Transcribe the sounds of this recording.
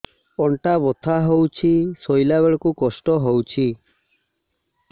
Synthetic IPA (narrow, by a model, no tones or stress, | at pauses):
ɔɳʈabɔt̪ʰaɦowt͡ʃʰisojlabeɭɔkukɔsʈɔɦowt͡ʃʰi